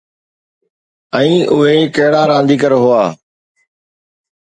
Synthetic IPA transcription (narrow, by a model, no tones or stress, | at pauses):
ɛ̃ĩːʔʊɦeːkɐɦɪɽaːɾãːnd̪iːkəɾɦʊaː